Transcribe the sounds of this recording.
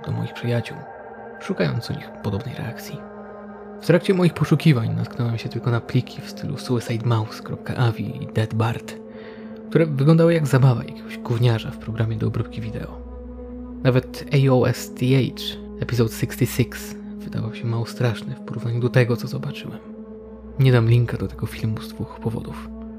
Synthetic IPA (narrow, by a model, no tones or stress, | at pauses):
d̪̥ɔmɔ̰jixpʂɘjat͡ɕuw | ʂukajɔ̰nt̪sṵɲḭxpɔd̪ɔbnɛjɾɛ̰ʔakt̪sʲji | ft̪ɾakt͡ɕɛmɔjixpɔʂukʲivaɲna̰t̪̚knɔwɛmɕɛt̪ɘlkɔnaplʲikʲʰifst̪ɘlʔṵsuɛsajt̪mawskɾɔp̚ka̰ʔavʲḭd̪ɛd̪baɾt̪ | kt̪uɾɛvɘɡlɔnd̪awɘjaɡzabava̰ja̰kʲeɡɔʑɡuvɲaʐa̰fpɾɔɡɾamʲjɛd̪ɔːbɾup̚kʲivʲid̪ɛ̰ɔ | navɛt̪ | ɛjɔɛ̰st̪iɛjt͡ʂ | ɛpʲizɔt̪sikst̪ʲisiks | vɘd̪a̰vawɕɛmawɔst̪ɾaʂnɘfpɔɾuvnaɲud̪ɔt̪ɛɡɔt̪sɔzɔbat͡ʂɘwɛm | ɲɛd̪amlʲiŋkad̪ɔt̪ɛɡɔfʲilmuzd̪vuxpɔvɔ̰d̪uf